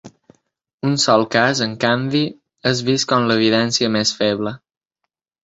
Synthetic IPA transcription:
unsɔlˠkazəŋkambi | əzβiskɔnləβ̞iðɛnsiəmesfɛβlə

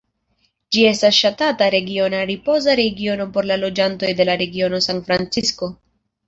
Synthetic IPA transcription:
d͡ʒie̞stasʃatataɾe̞ɡio̞naɾipo̞zaɾe̞ɡio̞no̞po̞ɾlalo̞d͡ʒanto̞jde̞laɾe̞ɡio̞no̞sanfɾant͡sisko̞

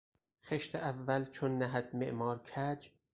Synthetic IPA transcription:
xeʃt̪ʰeʔævːælt͡ʃʰonːæɦæd̪mḛʔmɒːɾkʰæd͡ʒ

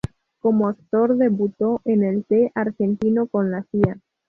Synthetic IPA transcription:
ko̞moak̚t̪o̞ɾðe̞βut̪o̞ʔene̞lt̪eʔaɾxe̞nt̪inoko̞nlasia

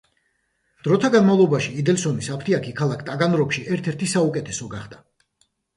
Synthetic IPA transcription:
d̪̥ɾɔt̪ʰaɡanmavlˠɔbaʃiːd̪ɛlsɔnisapʰt̪ʰiakʰikʰalˠakʰt̪ʼaɡanɾɔkʃiɛɾt̪ʰɛɾt̪ʰisaukʼɛt̪ʰɛsɔɡaχd̪a

